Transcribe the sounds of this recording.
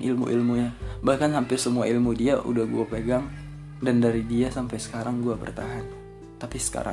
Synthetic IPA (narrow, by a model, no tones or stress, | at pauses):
ʔḭlmṵʔḭlmuɲabahkanɦampɪrsəmuailmudiaʔṵdahɡuapeɡaŋ | dandaɾidiasampajsə̥kaɾaŋɡuabə̰rt̪aɦan | t̪apisə̥ka̰ɾa̰